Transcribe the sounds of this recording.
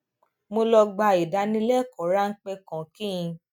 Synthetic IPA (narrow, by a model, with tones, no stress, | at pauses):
mo˧lɔ˧ɡ͡ba˧i˨da˨˦nĩ˧˦lɛ˦˨kɔ˨˦ɾa˦ŋ̩˦k͡pɛ˧kã˨kĩ˦ĩ˧